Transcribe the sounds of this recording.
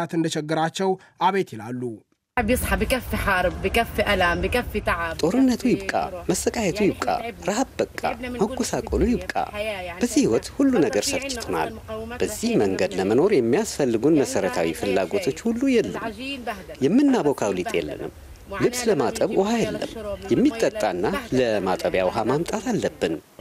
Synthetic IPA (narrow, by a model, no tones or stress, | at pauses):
at̪ɨnd̪əʃɛɡːɨɾat͡ʃːɛw | ʔaβet̪jɪlalːu | bjɨsˤħɑbikɐfːiħɑɾˤbbəkɐfːiʔɐlambəkɐfːit̪aʕtʼo̞ɾɨnːət̪ʰujɪβkʼa̰məsəkʼahɛt̪ʰujɪbkʼa̰ɾahabbəkʼːa̰məɡusakʼolujɪβkʼa̰b̥əzːihiwɔt̪hulːunəɡəɾsəβt͡ʃːɪ̥t̪ʰna̰lb̥əzːihməŋɡəd̪ləməno̞ɾjɛmːijasfəlːɨɡunməsəɾət̪ʰawifɨlːa̰ɡo̞t̪ʰo̞t͡ʃːhulːujɛlːə̰m | jɛmːɨnːabo̞kʰawlit̪ʼjɛ̰lːə̰nɨ̰m | lɨβsləmat̪ʼəβʔɔhajɛlːə̰mjɛmːit̪ʼːət̪ʼːanːaləmat̪ʼəβjawɔɦamamt̪ʼat̪ʰalːəbːɨn